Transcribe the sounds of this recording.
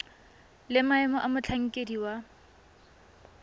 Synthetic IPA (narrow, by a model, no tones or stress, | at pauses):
lɪmaɛmʊʔamʊt͡ɬʰaŋ̩kʼediwa